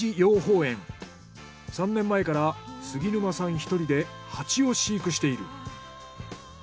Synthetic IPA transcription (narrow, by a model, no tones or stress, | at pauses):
ijo̞ːɦo̞ːẽ̞ŋ | sãnːẽ̞mːae̞kaɾasɨɡʲinɯ̟masãɰ̃çi̥t̪o̞ɾʲid̪e̞ | hat͡ɕio̞ɕiːkɯ̟ɕi̥t̪e̞iɾɯ̟̰